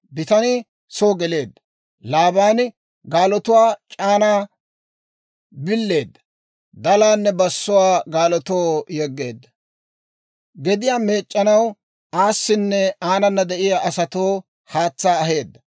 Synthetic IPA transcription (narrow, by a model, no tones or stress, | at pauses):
bɪt̪ɐnɪ | soːɡɛle̞ːd̪ːɐ | laːbaːn | ɡaːlɔt̪ʊwaːt͡ʃʼaːnaː | bɪlːe̞ːd̪ːɐ̥ | d̪ɐlaːnːɛbɐsːʊwaːɡaːlɔt̪oːjɛɡːe̞ːd̪ːɐ | ɡɛd̪ɪjaːme̞ːt͡ʃʼːɐnɐw | aːsːɪnːɛaːnɐnːɐd̪ɛʔɪjaːʔɐsɐt̪oː | haːt͡sːaːɐɦe̞ːd̪ːɐ